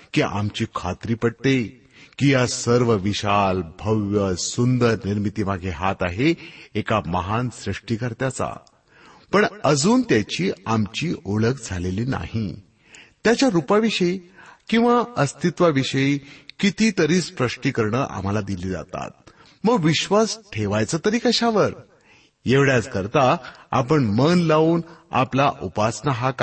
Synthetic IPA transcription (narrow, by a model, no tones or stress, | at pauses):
kiʔa̰mt͡ɕiːkʰat̪ɾiːpəɽ̚t̪e | kijasəɾʋəʋiɕalbʱəʋjəsund̪əɾniɾmit̪iːmaɡʱeɦat̪aɦeekaməɦansɾiʂʈiːkəɾt̪jat͡sa̰ | pəɳəd͡zuːnt̪jat͡ɕiːamt͡ɕiːʔoɭəkd͡zʱaleliːna̰hi | t̪jat͡ɕjaɾupaʋiɕəikĩw̃ʋaəst̪ʰit̪ʋaʋiɕəikit̪iːt̪əɾiːspɾəʂʈikəɾɳəʔa̰m̤alad̪iliːd͡za̰t̪a̰t̪̚ | məɡʋiɕʋasʈʰeʋajt͡səːt̪əɾiːkəɕaʋəɾ | jeʋɽjat͡skəɾt̪aa̰pəɳmənlauːna̰plaʔupasnaɦak